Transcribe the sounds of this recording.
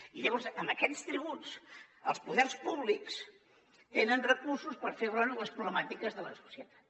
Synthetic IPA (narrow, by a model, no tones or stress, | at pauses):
iləβɔnzəməkɛst̪ɾiβusə̰lˠspuðɛrspuβliks | t̪enənrəkursuspəɾfeβɾonləspɾuβləmat̪ikəzðələsu̥siət̪ḁt̪